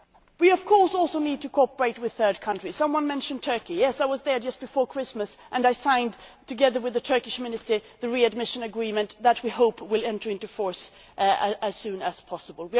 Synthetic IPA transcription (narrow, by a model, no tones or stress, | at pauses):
wiʌv̥kʰɔɹsɔlˠsoʊnid̚tʰɨkʰɑpə˞eɪt̚wɨð̥θɜ˞d̚kʰʌ̃ntɹ̥i̥sʌ̃mwʌ̃nmɛ̃nʃɨ̃ntʰɜ˞kijɛsaɪwʌzðə˞d͡ʒʌsb̥ɨfɔɹkʰɹ̥ɪsməsʔɨ̃naɪsãɪ̃ntʰɨɡɛðə˞wɨðɨtʰɜ˞kɨʃmɪ̃nɨstə˞ðɨɹiɨd̚mɪʃɨ̃nɨɡɹĩmɨ̃nðət̚wihoʊpʰwɪlˠɛ̃ntə˞ɪ̃ntʉfɔɹs | ɨz̥sʉ̃nɨz̥pʰɑsəbəl̩ˠwi